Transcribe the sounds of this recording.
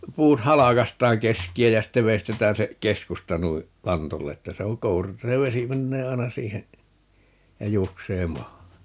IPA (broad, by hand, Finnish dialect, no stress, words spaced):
puːt hɑlɑkɑstˑɑːŋ keskiæ jæ sitːe ʋeistetæːn se keskustɑ nui lɑntolːe etːæ se oŋ kouru etːæ se ʋesi menːeː ɑi̯nɑ siːhen jɑ juokseː mɑːhɑn